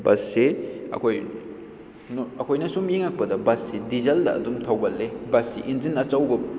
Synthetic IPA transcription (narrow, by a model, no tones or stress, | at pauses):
bɐsːeɐ̰kʰoj | nɐkʰojnɐsumiŋɐk̚pɐdɐbɐsːidizɐldɐ̰ɐ̰dumtʰɐwɡɐlːebɐsːḭʔinzinɐt͡ʃɐwbɐ